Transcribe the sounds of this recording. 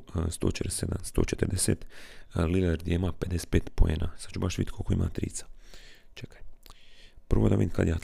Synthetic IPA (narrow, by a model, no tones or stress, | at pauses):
st̪oːt͡ʃet̪ɾesed̪a̰nst̪oːt͡ʃet̪əɾd̪esḛt̪lileɾd̪ʲjeimaped̪ese̥t̪peːt̪poeːnʔasḁt͡ʃubaʃʋḭt̪ʲkʰokoimʔa̰t̪ɾḭːt̪sḁt͡ʃekḁj | pr̩ʋod̪aʋiːnkad̪jaː